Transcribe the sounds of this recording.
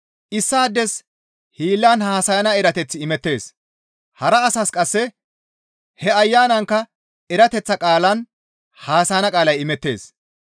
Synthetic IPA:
ʔɪsːaːd̪ːɛs | hiːlːaːnhaːsɐjɐnɐɛɾɐt̪ɛt͡sːɪːmɛt̪ːe̞̰ːs | hɐɾɐːsɐskʼɐsːɛ | hɛɐjːaːnɐŋkːɐ | ɛɾɐt̪ɛt͡sːɐkʼaːlɐn | haːsɐjɐnɐkʼaːlɐjɪmɛt̪ːe̞̰ːs

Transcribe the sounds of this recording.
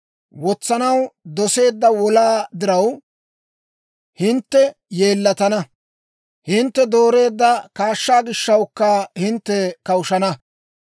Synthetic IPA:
wɔt͡sːɐnɐwd̪ɔse̞ːd̪ːɐwɔlaːd̪ɪɾɐw | hɪnt̪ːɛje̞ːlːɐt̪ɐnɐ | hɪnt̪ːɛd̪o̞ːɾe̞ːd̪ːɐkaːʃːaːɡɪʃːɐwkːahɪnt̪ːɛkɐwʊʃɐnɐ

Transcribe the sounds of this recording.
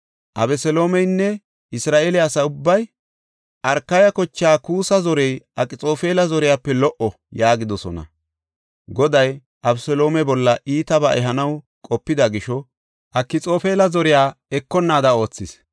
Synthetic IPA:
ʔɐbɛsɛlo̞ːmɛjnːɛ | ɪsɾaːʔeːlɛɐsɐʊbːɐj | ʔɐɾkːɐjɐkɔt͡ʃːaːkuːsɐzɔɾɛjʔɐkʼɪt͡sʼo̞ːfeːlɐzɔɾɪjaːpːɛlɔʔɔ | jaːɡɪd̪ɔsɔnɐ̰ | ɡɔd̪ɐj | ʔɐbsɛlo̞ːmɛbɔlːɐʔiːt̪ɐbɐʔɛɦɐnɐw | kʼɔpːɪd̪ɐɡɪʃɔ | ʔɐkːɪt͡sʼo̞ːfeːlɐzɔɾɪjaːɛkːɔnːaːd̪ɐo̞ːt͡sːɪs

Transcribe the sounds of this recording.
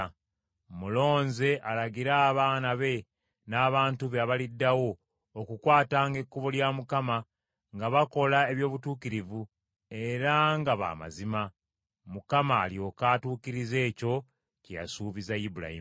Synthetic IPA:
mulo̞ːnze̞ʔalaɡiɾaːβaːnaβe̞ | naːβaːntuβeaβalidːawo̞ː | kukwaːtaːŋɡe̞kːuβoljamukama | ŋɡaβako̞lae̞βjo̞ːβutuːkiɾivu | e̞ɾaŋɡaβa̰ːma̰zima | mukamaːljo̞kaːtuːkiɾize̞ːco̞ | cija̰suːβizajibuɾa̰ḭm

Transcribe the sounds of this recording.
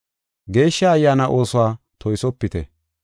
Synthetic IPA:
ɡe̞ːʃːaɐjːaːnaʔoːsʊwaː | t̪ʰɔjsɔpːɪt̪ɛ̰

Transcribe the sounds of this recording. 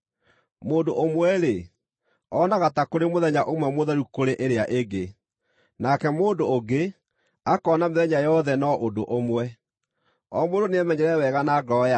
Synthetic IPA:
moːndoʔomwɛɾe | ɔnaɣatakoɾemoðɛɲaʔomwɛmoðɛɾukoɾeʔeɾeaʔeɡe | nakɛmoːndoːɡe | akɔːnameðɛɲajɔðɛnɔʔodo̰ʔomwɛ | ɔmodoneamɛɲɛɾɛwɛɣanaɡɔja

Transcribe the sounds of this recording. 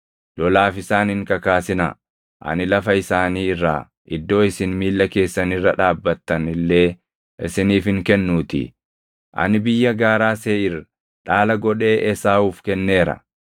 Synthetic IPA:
lɔlaːfɪsaːnɪŋkɐkaːsɪnɐ̰ | ʔɐ̰nɪlɐfɐɪsaːniːɪrːa̰ː | ʔɪd̪ːo̞ːɪsɪnmiːlːɐke̞ːsːɐnɪrːɐᶑaːbːɐt̪ːɐnɪlːe̞ː | ʔɪ̰sɪniːfɪŋkɛnːuːt̪ɪ̰ | ʔɐ̰nɪbɪjːɐɡaːɾaːseːɪr | ᶑaːlɐɡɔᶑe̞ːʔɛsaːuːfkɛnːe̞ːɾɐ̰

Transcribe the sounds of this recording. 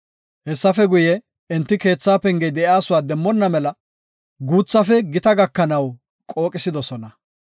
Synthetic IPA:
hɛsːɐfɛɡʊjɛ | ɪnt̪ːɪke̞ːt͡sːaːpɛŋɡɛjd̪ɛʔjaːsʊwaːd̪ɛmːɔnːɐmɛlɐ | ɡuːt͡sːɐfɛɡɪt̪ɐɡɐkːɐnɐw | kʼo̞ːkʼɪsɪd̪ɔsɔnɐ

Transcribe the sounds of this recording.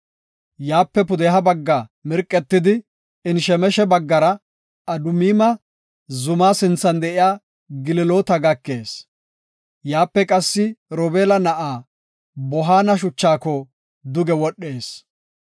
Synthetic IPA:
jaːpːɛpʊd̪ɛɦɐbɐɡːamɪɾkʼːɛt̪ːɪd̪ɪ | ɪnʃɛmɛʃɛbɐɡːɐɾɐ | ɐd̪ʊmiːmɐ | zʊmaːsɪnt͡sːɐnd̪ɛʔɪjaː | ɡɪlɪloːt̪ɐɡɐkːe̞ːs | jaːpːɛkʼɐsːɪɾoːbe̞ːlɐnɐʔaː | bɔɦaːnɐʃ̬ʊt͡ʃːaːkɔ | d̪ʊɡɛwɔɗːe̞ːs

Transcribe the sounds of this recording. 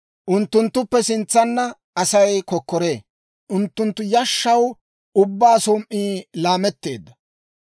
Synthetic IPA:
ʔʊnt̪ːʊnt̪ːʊpːɛsɪnt͡sːɐnːɐ | ɐsɐjkɔkːɔɾe̞ː | ʔʊnt̪ːʊnt̪ːʊjɐʃːɐw | ʊbːaːsɔmʔːiːlaːmɛt̪ːe̞ːd̪ːɐ

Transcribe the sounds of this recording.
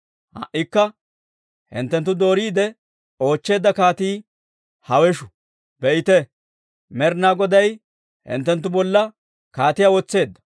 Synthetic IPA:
hɐ̰ʔːɪkːɐ | hɪ̰nt̪ːɛnt̪ːʊd̪o̞ːɾiːd̪ɛ | o̞ːt͡ʃːe̞ːd̪ːɐkaːt̪iː | hɐwɛʃʊ̥ | b̥ɛʔɪt̪ɛ | mɛɾnaːɡɔd̪ɐj | hɪ̰nt̪ːɛnt̪̬ːʊbɔlːɐ | kaːt̪ɪjawɔt͡sːe̞ːd̪ːɐ̥

